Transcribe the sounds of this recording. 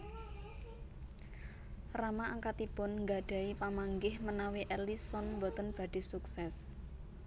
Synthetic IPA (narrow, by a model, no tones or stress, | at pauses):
ramaʔaŋkat̪ipʊnŋɡaɖ̥a̤ipamaŋɡɪhmənawiʔelisɔnmbɔt̪ənb̥a̤ɖ̥i̤suksɛs